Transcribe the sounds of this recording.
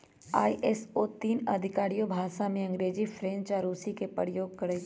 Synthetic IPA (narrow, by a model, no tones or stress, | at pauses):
a̰ːiʔɛsot̪iːnɐd̪ʱɪkaːɾijobʱaːʃamẽɐ̃ŋɡɾeːd͡ʒifʰɾẽːnt͡ʃaːɾuːsikepəɾɪjoːɡ̚kɐɾə